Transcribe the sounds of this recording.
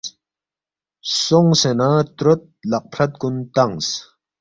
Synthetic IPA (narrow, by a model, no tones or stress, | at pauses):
soŋsenat̪ɾot̪̚lɐq̚pʰɾɐt̪̚kunt̪aŋs